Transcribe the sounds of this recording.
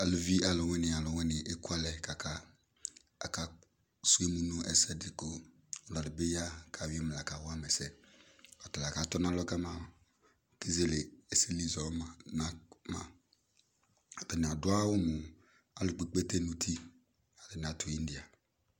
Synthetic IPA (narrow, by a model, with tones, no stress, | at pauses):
a˨lʊ˨vi˦a˨lʊ˨wɛ˦nɪ̃˨a˨lʊ˨wɛ̃˦nɪ˨ʔe˦kʊ˦a˦lɛ˨ka˨kʰa˦ | a̰˨ka˨ | su˦e˦mu˦nʊ̃˦ʔɛ˨sɛ˦dɪ˨kʊ˦˨ | la˨lɪ˨bɪ˦ja˦kʰa˨wɪ˦e˦m˨la˨ka˨wʊ˦a˦mɛ˨sɛ˨ɔ˨tɔ˨la˨ka˨˦tɔ˦na˦lɔ˦ka˦ma˨ | ki˦ze˦˨le˨e˨si˦li˦˨zɔ˨˦˨na˨ma̰˨ | a˨bɛ˨nɪ˨a˨dʊ˦a˦wʊ˦mʊ˨ | a˨lʊ˨k͡pi˨k͡pe˦te˦nu˦tʰi˦ | a˨lɪ˨n˨a˨tʊ˨i˦n˦di˨a˨